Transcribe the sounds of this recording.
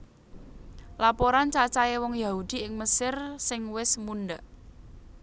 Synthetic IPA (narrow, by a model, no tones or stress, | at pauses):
lapoɾant͡ʃat͡ʃaewɔŋjahud̪̥i̤ɪŋməsɪrsɪŋwɪsmunɖaʔ